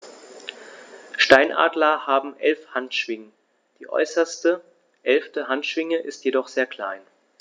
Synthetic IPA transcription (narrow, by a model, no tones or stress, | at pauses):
ʃtaɪnʔa̰ːdlɐhaːbm̩ʔɛlfhantʃv̥ɪŋə | d̥iːʔɔ̰ʏsɐstə | ʔɛlftəɦantʃv̥ɪŋəʔɪstjedɔχz̥eːɐkʰl̥a̰ɪn